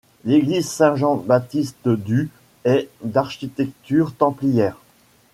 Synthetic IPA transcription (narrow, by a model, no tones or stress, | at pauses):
leɡlizsɛ̃ʒɑ̃bat̪ist̪d̪y | ɛd̪aʁʃit̪ɛkt̪yʁt̪ɑ̃plijɛːʁ